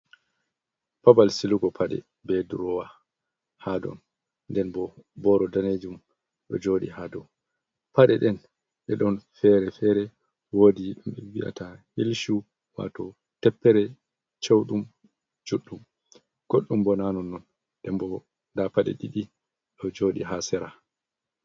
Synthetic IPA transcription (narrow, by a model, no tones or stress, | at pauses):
pabalsiluɡɔpʰaɗɛ̰ | bɛduɾɔwa | hadɔ̰n | ndɛnbɔbɔɾɔdaned͡ʒum | ɗɔ̰d͡ʒoːɗḭhaːdɔn | paɗɛɗɛn | ʔɛɗɔnfɛɾɛfɛɾɛ | woːdibɛwiʔa̰tahilʃu | wa̰tɔ | tɛpːɛɾɛ | t͡ʃowɗum | d͡ʒuɗːum | ɡ̥oɗːumbɔnanɔnːɔn | ɗɛmbɔ | ndapaɗɛ̰ɗiɗi | ɗɔd͡ʒoɗiɦasɛɾa